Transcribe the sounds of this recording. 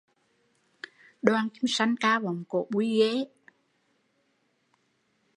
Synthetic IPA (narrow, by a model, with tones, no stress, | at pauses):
ɗwaː˧nki˨˧˦msa˧˩ŋkaː˧va˨˩ŋ͡mko̰˨ɓu˧˦ɣe˨˦